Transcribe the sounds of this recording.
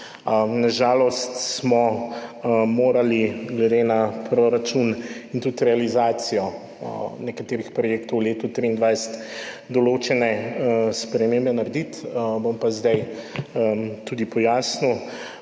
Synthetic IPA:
naʒaːlɔst̪smɔ | moːɾaliɡlɛd̪enapɾoɾat͡ʃunint̪ut̪ɾɛalizaːt̪sijɔ | nɛkat̪eːɾixpɾɔjeːkt̪ɔwleːt̪ut̪ɾiːnd̪ʋajsɛ̥t̪ | d̪ɔloːt͡ʃɛnɛspɾɛmeːmbɛnaɾd̪it̪bompazd̪aj | t̪uːd̪ipɔjaːsni

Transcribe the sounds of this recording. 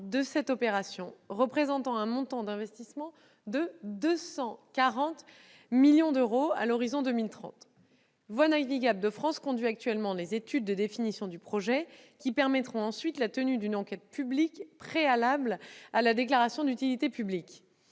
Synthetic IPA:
d̪əsɛt̪ɔpeʁasjɔ̃ʁəpχezɑ̃t̪ɑ̃ɛ̃mɔ̃t̪ɑ̃d̪ɛ̃vɛst̪ismɑ̃ | d̪əd̪øsɑ̃kaʁɑ̃t̪ | miljɔ̃d̪øʁoa̰lɔʁizɔ̃d̪əmilt̪χɑ̰̃t̪ | vwanaviɡʲabld̪əfχɑ̃skɔ̃d̪ɥiak̚t̪ɥɛlmɑ̃lezet̪yd̪̚ːəd̪efinisjɔ̃d̪ypχɔʒɛkʲipɛʁmɛt̪χɔ̃ɑ̃sɥit̪lat̪ənyd̪ynɑ̃kʲɛt̪̚pyblikpχealablalad̪eklaʁasjɔ̃d̪yt̪ilit̪epyblik

